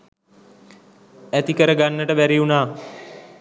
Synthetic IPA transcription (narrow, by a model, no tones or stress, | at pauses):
æt̪ikəɾəɡanːəʈəbæɾiunaː